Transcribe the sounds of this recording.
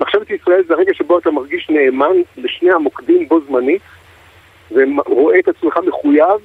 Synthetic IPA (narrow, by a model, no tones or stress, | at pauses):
aχʃevet̪isʁae̞lzeaʁeɡaʃeboat̪amaʁɡiʃne̞ːmanleʃnehamo̞kd̪imbo̞zmanit̪ | veʁo̞ʔe̞ːt̪at͡smeχame̞χujav